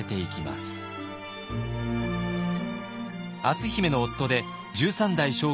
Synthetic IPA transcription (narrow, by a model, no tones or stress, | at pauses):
et̪e̞ikʲima̰sɨ̥ | at͡sɨçime̞no̞ːt̪ːo̞d̪e̞ | d͡ʑɨːsãnd̪aiɕo̞ː